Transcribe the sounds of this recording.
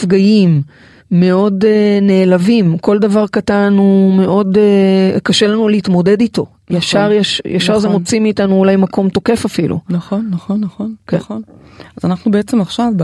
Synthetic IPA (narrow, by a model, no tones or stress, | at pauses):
fɡajimː | e̞o̞dene̞ːlavimko̞ldavaʁkatanume̞ʔo̞dekaʃe̞lanuleitmo̞de̞dito̞ | jaʃaʁjaʃjaʃaʁzemo̞t͡simiːtanuːlajmakʰo̞mto̞ke̞fafilṵnaχonːaχonːaχonkonazanaχnubeet͡semaχʃav